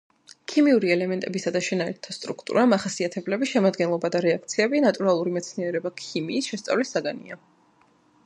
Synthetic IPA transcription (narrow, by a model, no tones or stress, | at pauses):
kʰimiuɾiɛlɛmɛnt̪ʼɛbisad̪aʃɛnaɛɾt̪ʰast̪ʼɾukʰt̪ʼṵɾamaχasiat̪ʰɛblɛbiʃɛmad̪ɡɛnlˠɔbad̪aɾɛak̚ʰt̪sʰiɛbinat̪ʼuɾalˠuɾimɛt̪sʰniɛɾɛbakʰimiːsʃɛst̪sʼa̰vlisːaɡanḭa